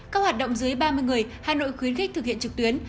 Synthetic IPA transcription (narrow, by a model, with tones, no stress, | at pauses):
kaː˦˥k̚waː˨˩t̚ɗə̰˧˨wŋ͡mzɨ˨˦əjɓaː˧mɨ˧əjŋɨ˨˩əjhaː˨˩no̰˧˨jxwi˨˦ənxɪ̟˦˥t̪ɨ˨˩k̚hḭ˧˨ənt͡ɕɨ˨˩k̚t̪wi˨˦ən